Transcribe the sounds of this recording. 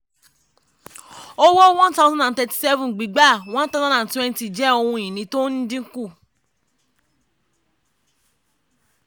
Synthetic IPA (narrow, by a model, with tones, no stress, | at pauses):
o˦wo˦w̃ɔ̃˦n˦ta˦zã˦dã˨n˨tɛ˧ti̥˨sɛ˦vũ˨ɡ͡bi˨˦ɡ͡ba˦˨w̃ɔ̃˦n˦ta˦zã˦dã˨twɛ̃˦n˦ti˨d͡ʒɛ˦o˧hũ˧˨ĩ˨nĩ˨˦to˦nĩ˦dĩ˦ŋ̩˦ku˦˨